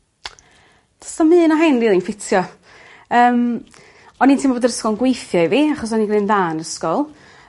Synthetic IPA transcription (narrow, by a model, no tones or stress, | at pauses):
tʰə̥stɔmɨːnɔɦajnriːlˠinfɪtʰjɔ | əːm | ɔniːntʰimboːdəɾəskɔlˠnɡwejθjɔiviaχɔsɔniɡrɨnðaːnəskɔlˠ